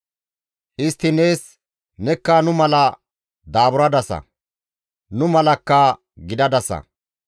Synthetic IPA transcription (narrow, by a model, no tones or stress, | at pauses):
ʔɪst̪ːɪne̞ːs | nɛkːaːnʊmɐlɐ | d̪aːbʊɾɐd̪ɐsɐ̰ | nʊmɐlɐkːɐ | ɡɪd̪ɐd̪ɐsɐ̰